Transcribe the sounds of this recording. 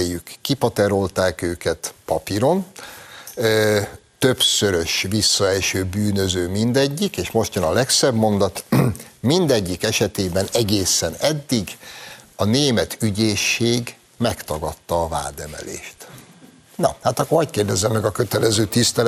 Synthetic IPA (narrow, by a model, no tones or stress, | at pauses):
jykːipɒt̪ɛɾo̞lt̪aːkøːkɛt̪pɒpiɾo̞n | t̪ø̞psøɾø̞ʃvisːɒɛlʃøːbyːnø̞zøːmind̪ɛɟːikeːʃmo̞ʃt̪jɒnɒlɛksɛbmo̞nd̪ɒt̪mind̪ɛɟːikɛʃɛt̪eːbɛnɛɡeːsɛnɛd̪ːiɡɒneːmɛt̪yɟeːʃːeːɡ | mɛkt̪ɒɡɒt̪ːɒːva̰ːd̪ɛmɛ̰lḛːʃt̪ | nɒhaːt̪ɒkːoɒckeːrd̪ɛzːɛmːɛɡɒkøt̪ɛlɛzøːt̪ist̪ɛl